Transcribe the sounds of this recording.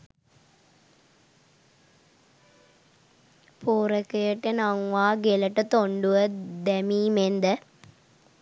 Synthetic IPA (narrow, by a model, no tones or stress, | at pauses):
puːɾəkəjəʈːenaŋʋaːɡeləʈət̪oɳɖuʋəd̪æmiːmend̪ə